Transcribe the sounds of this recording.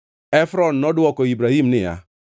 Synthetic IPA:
efɾɔn̩nɔdʊɔkɔibɾaɦim̩nɪ̰ja̰

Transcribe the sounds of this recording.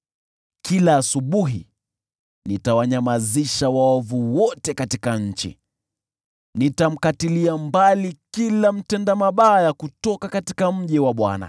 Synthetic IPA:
kʰilaːsuɓuɦi | nitawaɲamaziʃawaɔvuwɔtɛkatikaɲ̩t͡ʃḭ | nitam̩katiliambalikilam̩tɛndamaɓaːjakutɔkakatikam̩ʄɛwaɓwa̰na̰

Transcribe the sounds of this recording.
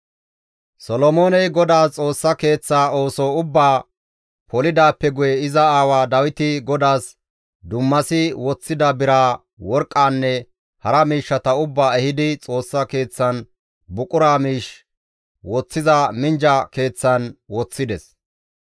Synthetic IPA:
sɔlɔmo̞ːnɛjɡɔd̪aːt͡sʼo̞ːsːɐke̞ːt͡sːaːo̞ːsoːʊbːaː | pʰɔlɪd̪aːpːɛɡʊjɛɪzɐaːwaːd̪ɐwɪt̪ɪɡɔd̪aːs | d̪ʊmːɐsɪwɔt͡sːɪd̪ɐbɪɾaː | wɔɾkʼːaːnːɛ | hɐɾɐmiːʃːɐt̪ɐʊbːaːɛhɪd̪ɪt͡sʼo̞ːsːɐke̞ːt͡sːɐn | bʊkʼʊɾaːmiːʃ | wɔt͡sːɪzɐmɪnd͡ʒɐke̞ːt͡sːɐnwɔt͡sːɪd̪ɛs

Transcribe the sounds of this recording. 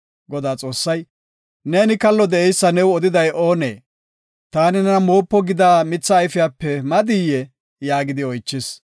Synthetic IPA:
ɡɔd̪aːt͡sʼo̞ːsːɐj | neːnɪkɐlːɔd̪ɛʔɛjsːɐnɛwɔd̪ɪd̪ɐjo̞ːnḛː | t̪aːnɪnɛnɐmo̞ːpːɔɡɪd̪aːmɪt͡sːɐːjfɪjaːpːɛmɐd̪ijːɛ | jaːɡɪd̪ɪɔjt͡ʃːɪs

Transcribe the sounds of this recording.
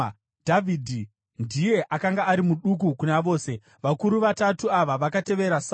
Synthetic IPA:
dʱavʱidʱi | ndije̞ʔakaŋɡaːɾimuɗuk̬ukunaʋo̞ːse̞ | ʋakuɾuʋatatuaʋaʋakate̞ʋe̞ɾasa

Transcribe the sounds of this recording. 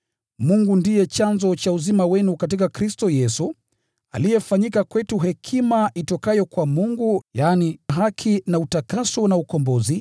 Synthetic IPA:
muŋɡundijɛt͡ʃanzɔt͡ʃauzimawɛnukat̬ikakɾistɔjɛsu | a̰lijɛfaɲikakwɛtuɦɛkʰimaʔitɔkajɔkwamuŋɡujaːniɦakʰinautakasɔnaukɔmbɔzi

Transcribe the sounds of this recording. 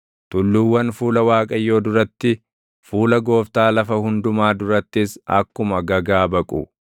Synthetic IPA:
t̪ʊlːʊwːɐnfuːlɐwaːkʼɐjːo̞ːd̪ʊɾɐt̪ːɪ | fuːlɐɡo̞ːft̪aːlɐfɐhʊnd̪ʊmaːd̪ʊɾɐt̪ːɪsɐ̰kːʊmɐɡɐɡaːbɐkʼʊ̰

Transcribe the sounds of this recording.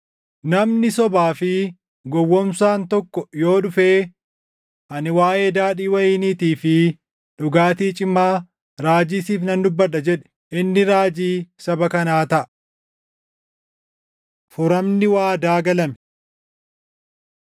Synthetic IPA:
nɐmnɪsɔbaːfɪ | ɡɔwːɔmsaːnt̪ɔkːɔjo̞ːᶑʊfeː | ʔɐnɪwaːʔeːd̪aːᶑiːwɐjiːniːt̪iːfɪ | ᶑʊɡaːt̪iːt͡ʃʼɪmːaː | ɾaːd͡ʒisiːfnɐnd̪ʊbːɐᶑɐd͡ʒɛᶑɛ̥ | ʔɪnːɪɾaːd͡ʒiːsɐbɐkɐnaːt̪ɐʔɐ | fʊɾɐmnɪwaːd̪aːɡɐlɐmɛ̥

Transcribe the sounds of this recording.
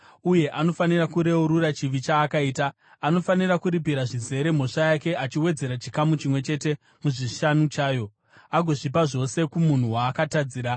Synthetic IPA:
uje̞ʔano̞fanirakuɾe̞uɾurat͡ʃiʋit͡ʃaːkaiːtaː | no̞fanirakuɾip̬iɾaʐize̞ɾe̞m̤o̞ʂajake̞ʔat͡ʃiwe̞d͡ze̞ɾat͡ʃikamut͡ʃimwe̞t͡ʃe̞te̞ | muʐiʃanut͡ʃaːjo̞ | aɡʱo̞ʐip̬aʐo̞se̞kumun̤uwaːkatad͡ziːɾa

